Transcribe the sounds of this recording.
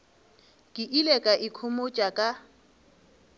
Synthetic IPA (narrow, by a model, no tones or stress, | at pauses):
kʼɪʔilɛkʼaʔɪkʰʊmot͡ʃʼakʼa